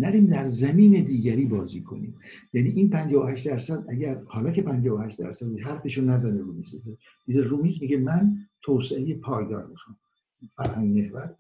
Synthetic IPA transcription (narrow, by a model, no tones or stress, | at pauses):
næɾiːmd̪æɾzæmiːned̪iːɟæɾiːbɒːzḭːkʰo̞̰nḭːmjæːniʔiːnpʰænd͡ʒɒːvohæʃt̪d̪æɾsæd̪ʔæɟæɾhɒːlɒːcʰepʰænd͡ʒɒːvohæʃt̪d̪æ̰ɾsæd̪eɦæɾfeʃonæzæneɾuːmiːzbez | mizeruːmiːzmiɟemænt̪ʰoːseejepʰɒːjɡɒːɾmixo | fæɾhæŋɡmehvæt̪